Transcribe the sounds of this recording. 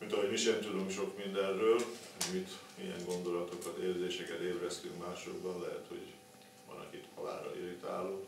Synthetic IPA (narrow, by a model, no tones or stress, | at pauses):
mint̪ɒɦo̞ɟmiʃɛmt̪ud̪uŋkʃo̞kmind̪ɛnrøːlmit̪ijɛ̰ŋɡo̞nd̪o̞lɒt̪o̞kɒt̪eːrzeːʃɛkɛt̪eːvrɛst̪yŋkmaːʃoɡbɒnlɛɦɛt̪ho̞̰ɟ | ʋɒ̰nɒ̰kit̪hɒla̰ːɾɒ̰lʔiɾit̪a̰ːloː